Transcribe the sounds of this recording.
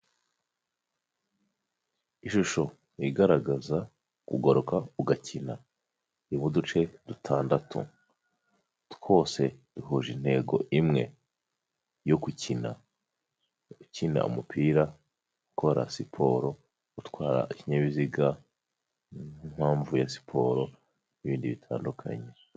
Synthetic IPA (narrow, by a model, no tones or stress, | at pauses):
iʃuʃo̞ | iɡaɾaɡaza | kuɡoɾokauɡacʰina | iβudut͡ʃe̞dutʰaːndatʰṵ | tko̞ːse̞d̥uɦuʒin̥he̞ːɡo̞̰ʔimŋe̞ | jo̞kucina̰ | ucina̰ṵmupʰiːɾa | ukʰo̞ɾa̰sipʰo̞̰ɾo̞ | utkwaːɾa̰ʔiciɲaβiziɡa | im̥haːɱvujasi̥pʰo̞ɾo̞ | niβiːndiβitʰa̰ːndukʰa̰ɲe̞